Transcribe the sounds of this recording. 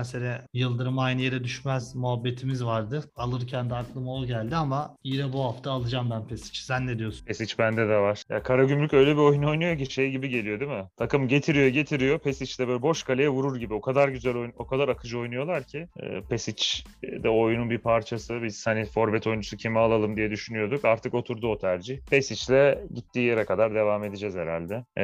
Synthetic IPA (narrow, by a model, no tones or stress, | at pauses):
eseɾʲɛjɯlˠd̪ɯɾɯmajnɯjeɾɛd̪yʃmæzmuɦabːe̞t̪ʰimizvaɾd̪ɯalˠɯɾcʰænd̪iak̪lˠɯmao̞lˠɟælʲd̪iamaiɾɛbuɦaft̪ʰaːlˠɯd͡ʒamb̪ænpʰesi̥t͡ʃsænːed̪ijo̞sunpʰesit͡ʃbænd̪ɛd̪ɛvaɾ̥ja̰kʰaɾaɟymlʲycø̞jlʲɛbio̞juno̞jnujo̞c̬iʃejɟibiɟe̞lʲijo̞d̪imɪt̪ʰakɯmɟe̞t̪ʰiɾijo̞ɟe̞t̪ʰiɾijo̞pʰesit͡ʃlʲɛbølʲɛbo̞ʃkʰalʲejɛvuɾuɾɟibio̞kʰad̪aɾɟyzælʲo̞jno̞kʰad̪aɾakʰɯd͡ʒo̞jnujo̞lˠaɾcʰḭːpʰesit͡ʃ | d̪ɛo̞jununbipʰaɾt͡ʃʰasɯbiz̥hanifo̞ɾbɛt̪ʰo̞jund͡ʒusucʰimialˠalˠɯmd̪ijɛd̪yʃynyjo̞d̪ukaɾt̪ʰɯko̞t̪ʰuɾd̪uo̞t̪ʰæɾd͡ʒiçpʰesit͡ʃlʲɛɟit̪ːiːjeɾɛkad̪aɾd̪e̞vaːme̞d̪id͡ʒɛzhe̞ɾa̰lʲd̪ɛ